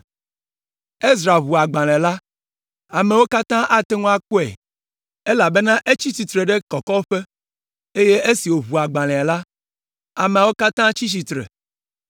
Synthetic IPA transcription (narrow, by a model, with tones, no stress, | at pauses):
e˦zɾa˨βu˨a˨ɡ͡bã˨l̃ɛ̃˨la˦ | a˨me˨wo˦ka˦t̪ã˦ʔa˦t̪e˦ŋũ˦a˦ko˦ɛ̰˨ | e˦la˨be˦nã˦ʔe˦t͡ɕi˦t͡ɕi˨t̪ɾe˨ɖe˦kɔ˨kɔ˦o˦ɸe˦ | e˦je˦ʔe˦si˨wo˨βu˨a˨ɡ͡bã˨l̃ɛ̃˨a˨la˦ | a˨mɛ̃˨a˨wo˦ka˦t̪ã˦t͡ɕi˦t͡ɕ̬i˨t̪ɾḛ˨